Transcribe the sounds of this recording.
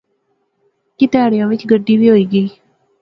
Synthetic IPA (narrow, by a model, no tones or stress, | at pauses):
kɪt̪eaːɽɪjãːʋɪt͡ʃɡəɖːiːʋiːɦoiːɡəiː